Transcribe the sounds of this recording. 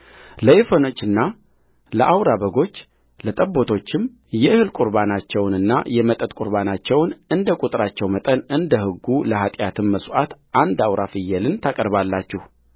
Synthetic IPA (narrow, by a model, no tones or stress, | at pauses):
ləjefəno̞t͡ʃːɨnːa | ləʔawɾabəɡo̞t͡ʃː | lət̪ʼəbːo̞t̪ʰo̞t͡ʃːɪm | jɛɨhɨlkʷʼuɾbanat͡ʃːɛwnɨnːa̰jɛmət̪ʼət̪ʼkʼuɾbanat͡ʃːɛwnɨnd̪əkʼut̪ʼɾat͡ʃːɛwmət̪ʼənɨnd̪əhɨɡːuləɦat̪ʼjat̪ʰɨmməsʔat̪ʔand̪awɾʔafɨjːɛlɨnt̪ʰakʼəɾbalːat͡ʃːɛh